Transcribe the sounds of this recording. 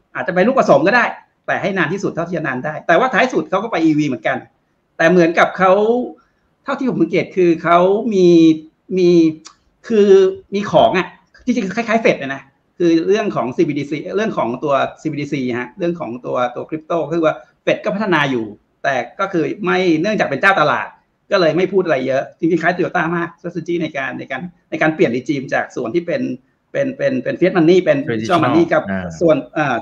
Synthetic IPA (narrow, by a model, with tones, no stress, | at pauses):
ʔaː˨˩t̪̚t͡ɕa˨˩pa˧lu˥˩kpɾa˧so˨˩˦mkɔː˥˩daː˥˩j | t̪ɛː˨˩ha˥˩jnaː˧nt̪ʰiː˥˩su˨˩t̪ʰːa˥˩t̪ʰiː˩t͡ɕa˩naː˧ndaː˥˩jt̪ɛː˨˩waː˥˩t̪ʰaː˦˥jsu˨˩t̪̚kʰa˦˥wkɔ˥˩pa˧jʔiː˧wiː˧mɯ˩˦ənŋka˧n | t̪ɛː˨˩mɯ˩˦ənka˨˩p̚kʰa˦˥w | t̪ʰa˥˩w̪t̪ʰiː˥˩˦msa˨˦keː˨˩t̪̚kʰɯː˧kʰa˦˥wmiː˧ | miː˧ | kʰɯː˧miː˧kʰɔː˩˦ŋʔa˨˩ʔ | t͡ɕ̪ʰi˧t͡ɕi˧ŋ˧kʰa˥˩jkʰaː˦˥jfe˨˩t̪̚la˧˩na˦˥ʔ | kʰɯː˧ɾɯ˥˩əŋkʰɔː˩˦ŋsiː˧biː˧iː˧siː˧ɾɯ˥˩əŋkʰɔː˩˦ŋt̪u˧ɐsiː˧bi˧iː˧siː˧ha˦˥ʔɾɯ˥˩əŋkʰɔː˩˦ŋt̪u˧ɐt̪u˧ɐkʰɾi˦˥p̚t̪oː˥˩kɔ˥˩ɯː˧wa˥˩ | fe˨˩t̪̚kɔː˥˩pʰa˦˥t̪ʰːa˧naː˧juː˨˩ | t̪ɛː˨˩kɔː˥˩kʰɯː˧ma˥˩jnɯ˥˩ŋt͡ɕaː˨˩k̚pe˧nt͡ɕaː˥˩wt̪a˧la̰ː˨˩t̪̚ | kɔː˥˩lɤː˧jma˥˩jpʰuː˥˩t̪ʔa˧a˧jːɤ˦˥ʔt͡ɕi˧ŋt͡ɕi˧ŋkʰaː˦˥jt̪ɾi˧˩wt̪aː˥˩maː˥˩k̚ːse˧t͡ɕiː˥˩na˧jkaː˧nːa˧jkaː˧nna˧jkaː˧npli˨˩əndiː˧˩t͡ɕiː˧mt͡ɕa̰ː˨˩k̚su˨˩ənt̪ʰiː˥˩pe˧n | pe˧npe˧npe˧nfi˦˥t̪̚ma˧nːiː˥˩pe˧nɔ˥˩ma˧niː˥˩kʰa˦˥p̚su˨˩ənʔaː˨˩